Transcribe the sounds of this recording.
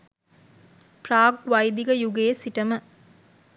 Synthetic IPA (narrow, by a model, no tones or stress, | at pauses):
praːɡʋajd̪iɡəjuɡeːsiʈəmə